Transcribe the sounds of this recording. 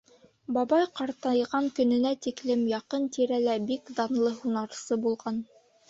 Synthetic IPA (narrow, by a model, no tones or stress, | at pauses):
bɑbɑjqɑɾt̪ɑjʁɑŋkɵ̆nɘ̆næt̪iklɘmjɑqɤnt̪iɾælæbikd̪ɑnlˠɤɦunɑɾsɤbulˠʁɑn